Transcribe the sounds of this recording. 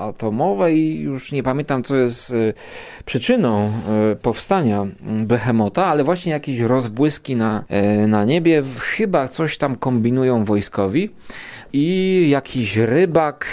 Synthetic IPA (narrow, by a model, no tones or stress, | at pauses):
at̪ɔmɔvɛijuʂɲɛpamʲjɛ̃nt̪amt̪sɔjɛst̪ | pʂɘt͡ʂɘnɔ̃w̃pɔfst̪aɲabɛxɛmɔt̪aalɛvwaɕɲɛjakʲeɕɾɔzbwɘskʲinanaɲebʲjɛxɘbat̪sɔɕt̪amkɔmbʲinujɔ̃w̃vɔjskɔvʲi | ijakʲʰiɕɾɘbak